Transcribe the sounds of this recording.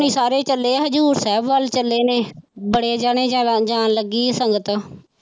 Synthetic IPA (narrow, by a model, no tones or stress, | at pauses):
niːsaːɾeːt͡ʃəlːeːɦəd͡ʒuːɾsɛːbʋəlt͡ʃəleːneːbəɽeːd͡ʒaːɽ̃eːd͡ʒd͡ʒaːnləɡiːsəŋɡət̪ː